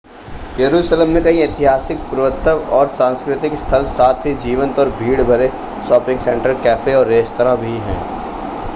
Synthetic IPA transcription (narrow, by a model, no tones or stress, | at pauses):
jɐɾuːʃlemːẽkɐɦĩɪt̪ɪɦaːsɪk̚pʊɾʋət̪ːəʋɔːɾsãːnskɾɪt̪ɪkst̪ʰəlsaːt̪ʰɦid͡ʒiːʋə̃nt̪ɔːɾbʱiːɽbʱɐɾe | ʃɔːpɪ̃ŋɡsɛ̃ɳʈəɾkɛːfʰeɔːɾːeːst̪əɾãbʱiɦɛ̰̃ː